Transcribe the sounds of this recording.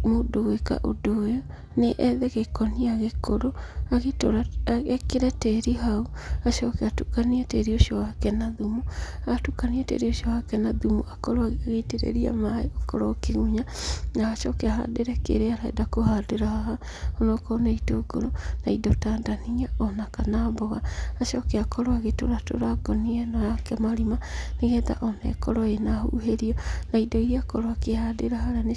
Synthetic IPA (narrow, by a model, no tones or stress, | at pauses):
modoweka̰ʔodojɔ | neʔɛðɛɣekɔniaɣekoɾoaɣeto̰ɾaɛkeɾɛteɾiɦauaʃɔkɛatukaniateɾioʃɔwakɛnaðumuatukaniɛtḛːɾioʃiɔwakɛnaðumṵʔakɔɾoaaɣeteɾḛɾia̰maeoko̰ɾɔkeɣuɲanaːʃɔkeaɦa̰deɾɛkḛɾeaɾaɛ̰dakohadeɾahaɦa | ɔnɔkɔnɛitoɡo̰ɾonaidɔtaːndaniaɔnakanabɔɣaːʃɔkeakɔɾoaɣeto̰ɾato̰ɾaɡɔniɛnɔjakɛmaɾimaneɣɛða̰ʔɔnɛ̰kɔɾɔenahṵɦeɾiɔnaidɔiɾiakɔɾwakehadeɾahaɾane